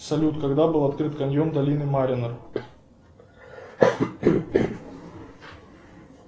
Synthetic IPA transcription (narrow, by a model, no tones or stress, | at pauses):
sɐlʲut̪kɐɡd̪abɨlˠɐt̪kɾɨt̪kɐnʲjomd̪ɐlʲinɨmaɾʲɪnər